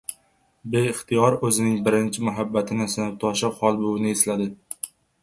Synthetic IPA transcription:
be̞ɪχt̪ʰɪjɒɾɵzɪnɪŋbɪɾɪnt͡ʃʰɪmʊɦabːat̪ʰɪnɪsɪnɪt̪ʰɒʃɪqʰɒlˠbowɪnɪeslad̪ɪ

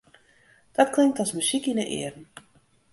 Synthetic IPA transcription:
d̥ɔtklɪŋk̚tɔsmysikinəʔɪ̰ərn̩

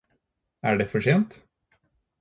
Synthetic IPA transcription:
æɖɛfœʂeːnt̪

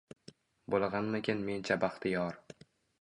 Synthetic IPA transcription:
bolˠʁanmekʲʰenment͡ʃʰabaχt̪ʰɪjɒɾ

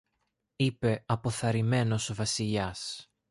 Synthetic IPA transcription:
ipe̞ɐpo̞θɐɾime̞no̞zvɐsiʎɐs

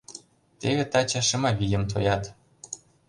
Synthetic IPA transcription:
t̪eβĕt̪ɑt͡ɕɑʃɤ̆mɑβʲijə̆mt̪̬ʰo̰jɑt̪

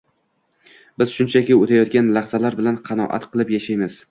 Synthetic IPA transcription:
bɪz̥ʃʊnt͡ʃʰakʲɪot̪ʰajɒt̪̚ɡʲanlɑhz̥alaɾbɪlanqʰɑnɒ̰ʔa̰t̪qʰɨlˠɪpjaʃajmɪz̥

